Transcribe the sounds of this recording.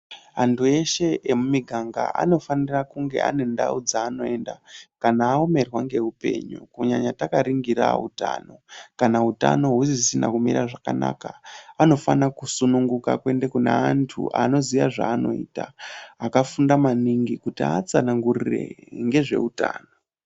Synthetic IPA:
ɦantʰue̞ʃe̞emumiɡʱaŋɡa̰ʔa̰no̞fanirakuŋɡe̞̰ʔa̰ne̞nda̰ud͡zaːno̞e̞nda̰kanaːome̞rwaŋɡe̞upe̞̰ːɲṵkuɲaɲatakaɾiŋɡiɾa̰ṵta̰ːno̞kanauta̰no̞ɦuzisina̰kumḭɾaʐakanaːkaano̞fanakusunuŋɡuka̰kwe̞nde̞kuna̰antʰṵʔa̰no̞ziʋaʐaːno̞̰iːtaakafundamaniŋɡikutiat͡sanaŋɡurire̞̰ŋɡe̞ʐe̞̰uta̰ːno

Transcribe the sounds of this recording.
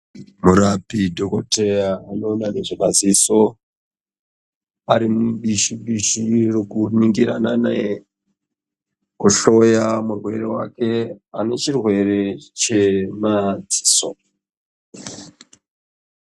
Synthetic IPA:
muɾapidʱokote̞jaːno̞ːnane̞ʐeɓaziso̞ | aɾimuɓiʃiɓiʃirokuniŋɡiɾa̰nana | kuʃo̞jamurwe̞̰ɾe̞wa̰ke̞ane̞t͡ʃirwe̞ɾe̞t͡ʃe̞mad͡zi̥ːso̰

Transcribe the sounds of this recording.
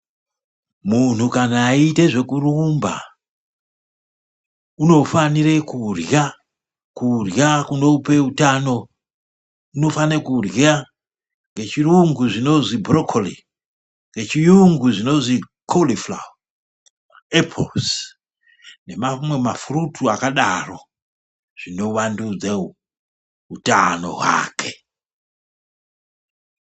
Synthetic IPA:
mun̤ukanaːite̞ʐe̞kurumba̰ | uno̞fanire̞kurja | kurjakuno̞upe̞utano̞ | uno̞fanekurja | ŋɡe̞t͡ʃiruŋɡuʐino̞zibrokʰoli | ŋɡe̞t͡ʃijuŋɡuʐino̞zi | kʰolifla̰u | epʰo̰ls | ne̞mamwe̞mafrutʰuakaɗaro̞̰ | ʐ̥ino̞wandud͡ze | utano̞̰ɦwa̰ːkʰe̥

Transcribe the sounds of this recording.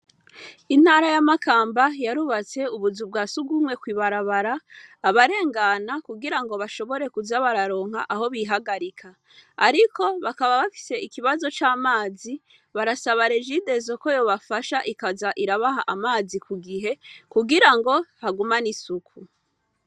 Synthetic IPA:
in̥haːɾajamakaːmbajaɾuβat͡se̞uβuzub̚ɡaːsuɡumŋe̞kwiːβaɾaβaɾaːβaɾe̞ːŋɡanakuɡiɾaŋɡo̞βaʃo̞βo̞ɾe̞kuzaβaɾaɾo̞ːŋ̥haʔaɦo̞βiɦaɡaɾikʰa | aɾiko̞βakaβaβafi̥se̞ʔikiβazo̞t͡ʃaːmaːzi | βaɾasaβaɾeʒide̞zo̞ko̞jo̞βafaʃaʔikazaʔiɾaβaɦaʔamaːzikʰuɡiɦe̞kuɡiɾaŋɡo̞haɡumanisukʰu

